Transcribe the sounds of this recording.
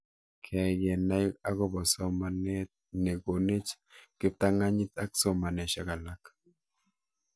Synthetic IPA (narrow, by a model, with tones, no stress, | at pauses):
kʰɛ˨ɡɛ˨na˦ja˦ɡɔ˦bɔ˨sɔ˦ma˨ne˦t̚ | ne˨ɡo˨ne˦t͡ʃ | kɪ˦p̚t̪a˦ŋa˦ɲɪ˦t̪a˦ksɔ˦ma˨nɛ˨ʃa˨ka˨la˨k